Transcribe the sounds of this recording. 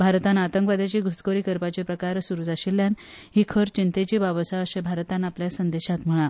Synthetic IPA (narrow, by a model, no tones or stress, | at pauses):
bʱaɾt̪anat̪əŋkʋad̪jat͡ɕeɡʱuskoɾiːkəɾpat͡ɕepɾəkaɾsuɾud͡zaɕiljan | ɦiːkʰəɾt͡ɕint̪et͡ɕibaʋəsaəɕebʱaɾt̪anapljasənd̪eɕat̪m̤əɭa